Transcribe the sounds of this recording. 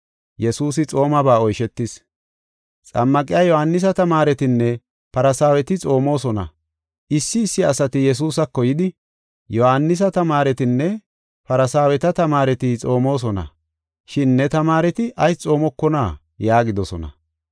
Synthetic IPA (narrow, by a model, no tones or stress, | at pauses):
jɛsuːsɪt͡sʼo̞ːmɐbaːɔjʃɛt̪ːɪs | t͡sʼɐmːɐkʼɪjajɔhanːɪs̬ɐt̪ɐmaːɾɛt̪ɪnːɛ | pɐɾɐsaːwɛt̪ɪt͡sʼo̞ːmo̞ːsɔnɐ̰ | ʔɪsːɪːsːɪɐsɐt̪ɪjɛs̬uːsɐkːɔjɪd̪ɪ | jɔhanːɪs̬ɐt̪ɐmaːɾɛt̪ɪnːɛ | pɐɾɐsaːwɛt̪ɐt̪ɐmaːɾɛt̪ɪt͡sʼo̞ːmo̞ːs̬ɔnɐ̰ | ʃɪnːɛt̪ɐmaːɾɛt̪ɪʔɐjt͡sʼo̞ːmɔkːɔna̰ː | jaːɡɪd̪ɔsɔnɐ̰